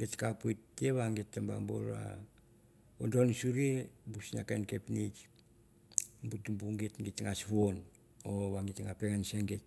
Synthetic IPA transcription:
ɡetkapojtːeβaŋɡetːamba̰mbo̰la̰ | ondonsuɾebusna̰kajnkepnit͡ʃ | mbutumbuŋɡetɡitŋasβon | oβaŋɡitŋapeŋanseŋɡet̚

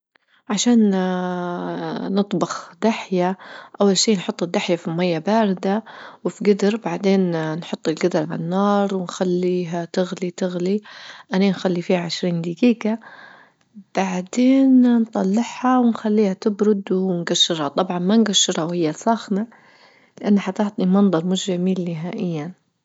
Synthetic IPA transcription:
ʕaʃaːn | nɨt̪ˤbɑxd̪̥aħjaʔawːalʃiːnħʊt̪ˤːɪd̪ːaħjafimajːabaːɾɪd̪awɪfiɡɪd̪ɾbaʕd̪eːnnħʊt̪ˤːɪlɡɪd̪ɾʕalanːɑːɾˤwɪnxalːiːɦat̪ɪɣlit̪ɪɣliʔananxalːifiːhaʕɪʃɾiːnd̪ɪɡiːka | b̥aʕd̪eːnnt̪ˤɑlːɪħhɑwɪnxalːiːhat̪ɪbɾʊd̪wɪnɡaʃːɪɾhɑt̪ˤɑbʕɑnmanɡaʃːɪɾhawhɪjːasˤɑːxna | lɪʔanːaħat̪aħt̪nimɑnd̪ˤɑɾˤmʊʃamiːlːɪɦaːʔɪjːan

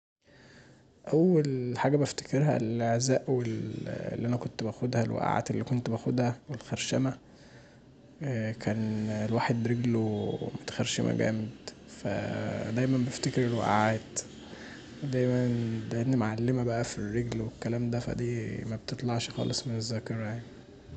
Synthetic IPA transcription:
ʔæwːælħaːɡæbæft̪e̥keɾɦæ̰lʔeʕzæːʔwel̰lːiʔænækont̪bæxod̪hælwæ̰ʔʕa̰ːt̪elːiːkont̪bæxod̪hæwelxæɾʃæmæ | kʰæːnelwaːħed̪ɾeɡlomot̪xæɾʃemʔæ̰ɡæ̰ːmed̪ | fæ̰d̪æjmæmbeft̪ekeɾelwæ̰ʔʕaːt̪ | wed̪æjmændæʔed̪nimʕalːemæbæʔæfirːeɡlwekːælæːmd̪æfæ̰d̪iːmæb̚t̪et̪ˤlɑʕʃxɑ̰ːlesˤmenezːæːkɑɾˤɑjaʕni

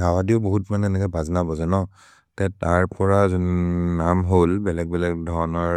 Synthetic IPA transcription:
ɦawadiʊboɦutmanɛnɛkɔbʱaznabɔzɛnɔ | tɛtaɹpɔɹazonnamɦolbɛlɛɡ̚bɛlɛɡ̚dʱɔɹɔnɔɹ

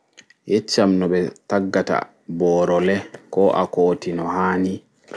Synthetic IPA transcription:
jet͡ʃːamnɔbɛtaɡːata̰ | bɔːɾɔlɛkɔʔakoːtinɔhaːni

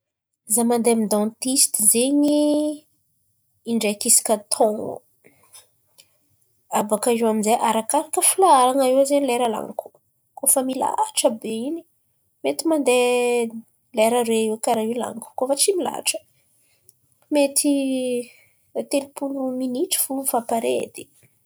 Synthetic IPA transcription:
zamand̪emid̪ãnt̪ist̪izeɲi | iɳɖ͡ʐekisi̥kʲət̪ʰõŋ̰ | avakaʒianizeʔaɾakaɾakəfilaaɾaŋaewzeɲilɛɾəla̰ŋku̥ | kofəmila̰ʈ͡ʂəbeini̥ | met̪imand̪e | leɾəɾeekaɾaila̰ŋku̥kofət͡simila̰ʈ͡ʂə̥ | met̪ʰi | t̪elipuluminiʈ͡ʂi̥fuvapaɾḛd̪̥i̥

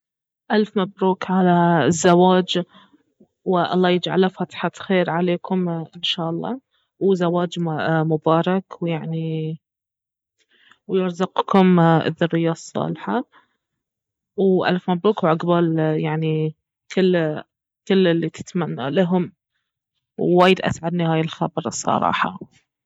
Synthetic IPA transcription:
ʔalfmabɾuːkʕalazːawaːd͡ʒ | wɪʔɑ̰lˤːɑːjɪd͡ʒʕa̰lafat̪ħaxeːɾʕaleːkʊmʔɪnʃaːʔɑlˤːɑ̰ː | wzawaːd͡ʒmʊbɑːɾˤɑkwjaʕni | wjɪɾzɑqkʊmʔɪ̰ðːʊrːɪjːasˤːɑ̰ːlħa | wʔa̰lfmabɾuːkwʕaɡbaːljaʕni | kʰɪlː | kɪlːɪlːit̪ʰɪ̥t̪manːa̰laɦʊm | wːaːjɪd̪ʔa̰sʕad̪nihaːjɪlxabɑɾˤsˤːɑ̰ɾˤɑ̰ːħɑ̰

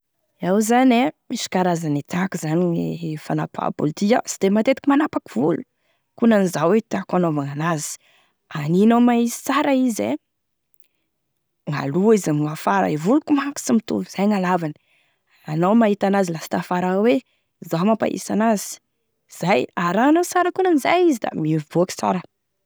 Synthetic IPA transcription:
awzanemisi̥kaɾazanit̪akuzaniŋefana̰pʰa̰pṵlt̪ia̰si̥d̪emat̪et̪i̥kʲimanapakiv̥ulu̥ | kunanizawet̪akanovaŋanazi̥ | aninowmaisi̥t͡saɾaize | ŋa̰luizamŋafaɾa̰ivulukumaku̥simit̪ṵluz̥ajŋalavani̥ | anawmaɦit̪anazilasi̥t̪afaɾawe | zamapa̰ʔḭsanazi̥ | z̥ajaɾanasaɾəkunanizajizid̪a̰mvboaki̥t͡sa̰ɾə

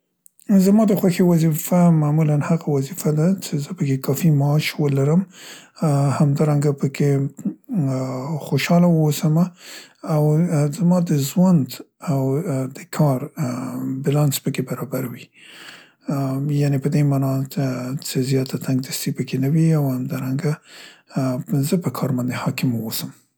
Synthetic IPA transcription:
zamɑd̪əxwaxewazifamamulanhaɣawazifad̪at͡ʃezəpəkekɑfimaɑʃwəlaɾəm | hamd̪ɑɾaŋɡapəkʰe | xoʃɑlawəwosamaː | wzamɑd̪əzwand̪ | awd̪əkʰɑɾ | bɪlɑnspəkebaɾɑbaɾawi | janepəd̪emɑnɑt͡sezjɑt̪at̪ʰaŋɡ̚d̪əst̪ipəkenawiawhamd̪ɑɾaŋɡa | zəpəkʰɑɾband̪ehɑkɪməwosəm

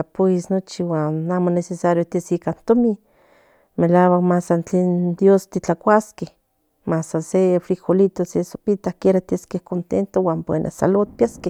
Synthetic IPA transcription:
apoisnot͡ʃiwaːnamonesesaɾjot̪iesikant̪omi | melawakmasant͡ɬeːnd̪jost̪it͡ɬakʷaskeh | masasefɾixolit̪oseso̥pit̪ahkeɾat̪iaskehkont̪ent̪owaːmpwḛnʔa̰sa̰lot̪̚pjaskeh

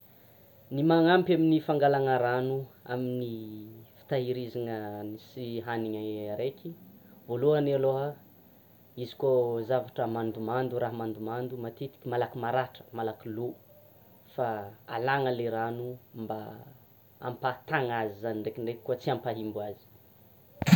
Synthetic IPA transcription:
nimaŋampʲaminifaŋɡalaŋəɾanua̰minifi̥t̪aɦiɾizaŋənisiɦaniɲaaɾekʲivoluanaloa | izi̥kazavaʈ͡ʂəmand̪umand̪uɾaɦmand̪umand̪umat̪it̪i̥kʲimalakimaɾaʈ͡ʂə̥malakilu | faa̰laŋəleɾanumba | a̰mpat̪aŋazizaniɳɖ͡ʐekiɳɖ͡ʐekʲkuət͡siampaɦimbuazi̥

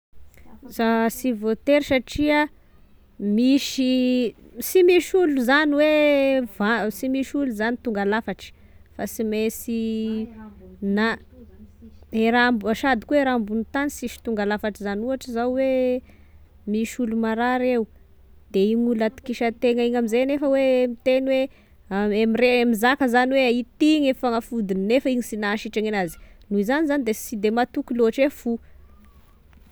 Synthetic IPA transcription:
zasivot̪eɾisaʈ͡ʂia | miʃi | simiʃuluzaniwevasimiʃuluzanit̪uŋɡalafaʈ͡ʂi̥ | fasimesi | na | eɾambuaʃad̪ikueɾambunut̪anisiʃi̥t̪uŋɡalafaʈ͡ʂizanuaʈ͡ʂizawwe | miʃulumaɾaɾew | d̪̥eiŋulat̪i̥kiʃət̪eŋaiɲamizenefəwemit̪eniwe | aemireamizakəzaniweait̪iŋefaŋafud̪ininefəiɲisinaʃiʈ͡ʂaŋenazi̥nuizanizanid̪esid̪emat̪ukiloaʈ͡ʂefu

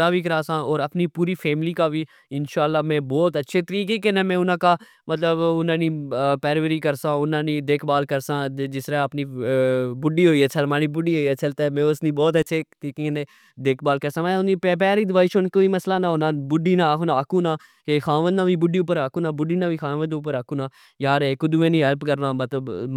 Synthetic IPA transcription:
aːbiːkəɾaːsãːɔːɾəpniːpuːɾiːfʰɛːmliːkaːbʱiː | ɪnʃaːlːaːmɛ̃ːbɔːt̪ətːʃʰeːt̪əɾiːkekẽneːmɛ̃ːʊnãːkaː | mət̪ləbʊnãːnĩːpɛːɾʋəɾiːkəɾsãːʊnãːnĩːd̪eːkʰbaːlkəɾsãːd͡ʒɪsɾaəpniːbʊɖiːɦoːiːɛːt͡ʃʰəlmãːnĩːbʊɖiːɦoːiːɛt͡ʃəlt̪eːmẽːʊsnĩːbɔːt̪ətːʃʰeːt̪iːkinẽː | d̪eːkʰbaːlkəɾsãːmɛ̃ʊniːpːp̬ɛːɾiːd̪ɪʋaːɪʃonkoːiːməslaːnãːonãːbʊɖiːnãːkːnaːəkũːnãː | kexãːʋə̃nd̪ãːʋiːbʊɖiːʊp̬ːəɾaːkũːnaːbʊɖiːnãːʋiːxãːʋə̃nd̪ʊːpːəɾaːkũːnãː | jaːɾekʊd̪uːẽːnĩːɦəɾpkəɾnãːmət̪ləb

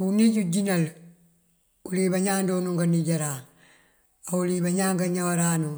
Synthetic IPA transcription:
uniɟuɟinal | ulibaɲaːndonuŋɡaniɟaɾaː | aulibaɲaːŋɡaɲawaɾaːnu

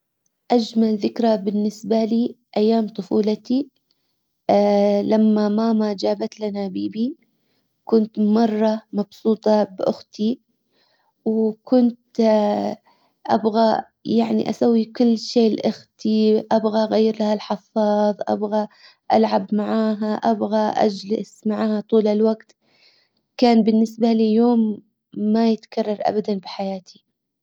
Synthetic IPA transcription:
ʔad͡ʒmalðɪkɾabɪnːɪsbaliːʔajːaːmt̪ˤʊfuːlat̪i | lamːamaːmad͡ʒaːbat̪lanabiːbi | kʊnt̪mɑrˤːɑmɑbsuːt̪ˤɑbʔʊxt̪ʰi | wkʊnt̪ | ʔa̰bɣa | jaʕnḭʔa̰sawːikʊlːʃeːlʔʊxt̪iʔabɣaʔɣajːɪɾlahalħɑfɑːðˤʔa̰bɣa | ʔalʕabmaʕaːɦaʔabɣaʔa̰d͡ʒlɪsmaʕaːhat̪ˤuːlɪlwaɡt̪ | kaːnbɪnːɪsbalijoːmː | ajɪt̪kɑrˤːɑɾˤʔa̰bad̪anbɪħajaːt̪ʰi̥

